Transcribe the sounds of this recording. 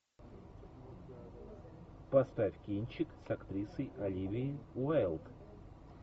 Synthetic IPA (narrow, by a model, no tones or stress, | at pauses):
pɐst̪afʲkʲinʲt͡ɕɪksɐkt̪ɾʲisəjʔɐlʲivʲɪɪʊalˠt̪